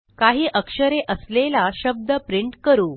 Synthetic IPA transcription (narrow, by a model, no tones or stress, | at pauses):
kaɦiːʔəkʂəɾeʔəslelaɕəb̚d̪əpɾiɳʈkəɾuː